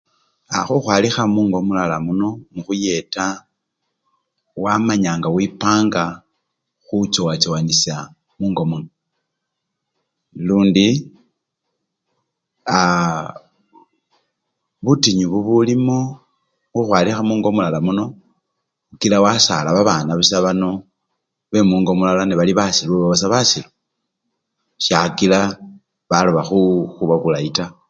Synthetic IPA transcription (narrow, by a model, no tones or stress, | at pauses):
axuxwaːlixamuːŋɡo̞mulalamuno̞muxuje̞ta | wamaɲaːŋɡawipaːŋɡa | xut͡ʃowat͡ʃowanisja | muːŋɡo̞muno | luːndi | a | βutiɲuβuβulimo | xuxwaːlixamuːŋɡo̞mulalamuno̞ | ukilawasa̰laβaβaːnaβusaβano̞ | βe̞muːŋɡo̞mulalaniβaliβasilβuβaβas̬aβasilo | ʃjakila | βaloβaxuxuβaβulaita